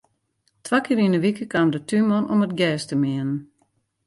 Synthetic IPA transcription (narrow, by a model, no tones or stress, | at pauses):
tʰʋakɪːɾinəʋikəkamdətʰymɔnomətɡɛːstəmɪənən